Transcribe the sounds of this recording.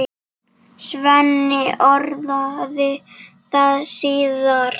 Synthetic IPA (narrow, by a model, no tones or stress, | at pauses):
svɛnːɪɔɾðaðɪ | θaðsiːðaɾ